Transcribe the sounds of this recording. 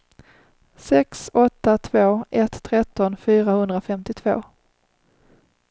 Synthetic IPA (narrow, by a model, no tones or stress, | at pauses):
sɛksɔt̪ːat̪ʰvoːʔɛt̪ʰːɾɛt̪ːɔnfyːɾahɵnd̪ɾafɛmt̪ɪt̪ʰv̥o̰ː